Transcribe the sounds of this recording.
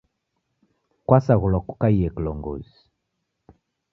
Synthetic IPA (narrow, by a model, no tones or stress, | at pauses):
kwasaɣulɔku̥kaijɛkilɔŋɡɔ̰zi